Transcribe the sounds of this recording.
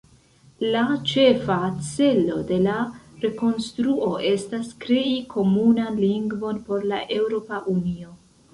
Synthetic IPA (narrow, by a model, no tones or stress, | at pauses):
lat͡ʃe̞fat͡se̞lo̞de̞laɾe̞ko̞nstɾuo̞ʔe̞staskɾe̞ikʰo̞munanliŋɡvo̞npo̞ɾlaʔe̞wɾo̞paʔunio̞